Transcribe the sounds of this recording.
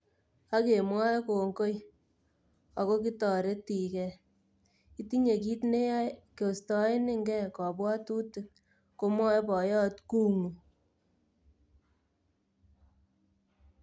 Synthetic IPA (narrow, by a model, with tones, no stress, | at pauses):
a˦ke˨mwa˦ko˨ŋɡo˦j | a˨ko˦ki˦tɔ˨ɾe˦ti˨kɛ˨ | i˦ti˦ɲe˨ki˦tne˦ja˦ko˨stɔ˦ɪ˦nɪ˦ŋɡɛ˦kɔ˨bwa˦tu˦tu˨ | ko˦mwɔ˦pɔ˨jɔ˦tku˦ŋu˨